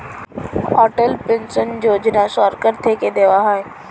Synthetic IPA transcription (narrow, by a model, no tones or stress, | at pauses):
ɔːʈəlpẽnsənd͡ʑoːd͡ʑnasaːɾkəɾt̪ʰeːked̪eːʋaɦaːe